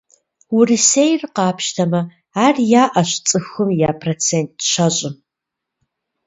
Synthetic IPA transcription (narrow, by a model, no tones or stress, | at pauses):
wʊrisejrqɑːpʰʃtʰɐmɐ | aːrjaːʔɐɕt͡sʼɨxɨmjaːpʰrot͡sʰent̚ɕɐɕʼɪ